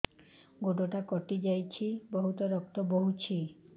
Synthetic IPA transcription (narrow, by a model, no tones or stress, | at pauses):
ɡoʈɔʈakɔʈid͡ʒajt͡ʃʰibɔɦut̪ɔɾɔk̚t̪ɔbɔɦut͡ʃʰi